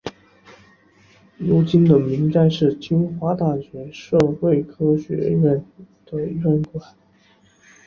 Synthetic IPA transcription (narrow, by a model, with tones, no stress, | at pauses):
ɻu˧˥t͡ɕi˥nd̪ə˨mi˧˥ŋt͡sa˥˧ɪʂɻ̩˥˩t͡ɕi˥nxwa˥t̪a˥˩ɕɥɛ˧˥ʂɤ˥˧we˥˩ɪkʰɤ˥ɕɥɛ̰˧˥ɻə˥˩n | d̪̥ə˨ɻə˥˩nkwa˨˩˦n